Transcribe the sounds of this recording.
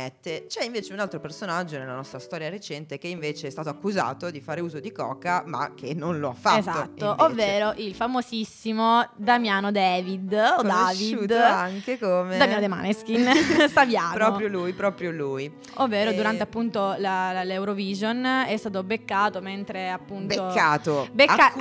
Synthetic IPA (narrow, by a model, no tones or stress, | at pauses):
ɛt̪ːet͡ʃɛiɱveːt͡ʃeunalt̪ɾopersonad͡ʒːonelːanɔst̪ɾast̪ɔːɾjaɾet͡ʃɛnt̪ek̟eiɱveːt͡ʃeɛst̪aːt̪oakːuza̰ːt̪od̪ifaːɾeuːzod̪ikɔ̰ːkama̰k̟ʰːenːonloa̰fːaetzaːot̪ːoʔovːeːɾoʔilfamosisːimod̪amjaːnod̪ɛːvid̪od̪aːviduaŋkekomeamjanod̪ema̰neskinsavjaːnpɾɔɾjolujpɾɔːpɾjoluj | ovːeːɾod̪uɾant̪eapːunt̪olallewɾovizonɛst̪aːt̪obekːaːt̪oment̪ɾeapːuntbeookːaːt̪obea